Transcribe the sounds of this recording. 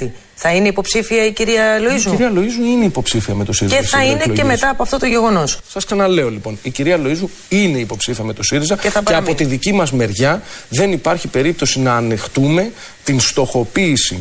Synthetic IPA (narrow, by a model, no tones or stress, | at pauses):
t̪i | θɐine̞ipo̞psifiɐiciɾiɐlo̞izmuiɾiɐlo̞izmuineipo̞psifiɐme̞t̪osiɾiezsɐineeme̞t̪ɐːpoɐft̪o̞t̪oʝe̞ɣo̞no̞ssɐsksɐnɐle̞o̞lipo̞niciɾiɐlo̞izmu | ine̞ipo̞psifiɐme̞t̪o̞siɾizɐceθɐeɐpo̞t̪iðicimɐzme̞ɾʝɐðe̞nipɐɾçipe̞ɾip̚t̪o̞sinɐːnext̪ume̞ | t̪inst̪o̞xo̞piːsḭ